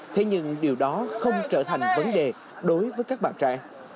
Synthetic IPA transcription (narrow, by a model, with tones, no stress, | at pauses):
t̪ʰe˧ɲɨ̰˧ŋɗi˨˩əwɗɔ˨˦xə˧wŋ͡mt͡ɕəː˧˩t̪ʰa˨˩jŋ̟və˨˦nɗe˨˩ | ɗo˨˦jvəː˨˦jkaː˦˥k̚ɓaː˧˩nt͡ɕa̰ː˧˨ŋ